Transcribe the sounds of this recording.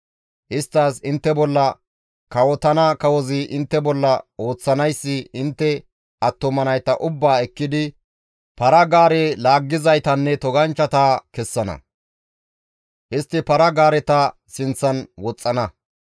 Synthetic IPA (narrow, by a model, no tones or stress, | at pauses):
ʔɪst̪ːasɪnt̪ːɛbɔlːɐ | kɐwɔt̪ɐnɐkɐwɔzɪʔɪnt̪ːɛbɔlːɐo̞ːt͡sːɐnɐjsːɪɪnt̪ːɛ | ʔɐt̪ːɔmɐnɐjt̪ɐʔʊbːaːɛkːɪd̪ɪ | pɐɾɐɡaːɾeːlaːɡːɪzɐjt̪ɐnːɛt̪ɔɡɐnt͡ʃːɐt̪aːkɛsːɐnɐ̰ | ʔɪst̪ːɪpɐɾɐɡaːɾɛt̪ɐ | sɪnt͡sːɐnwɔt͡sʼːɐnɐ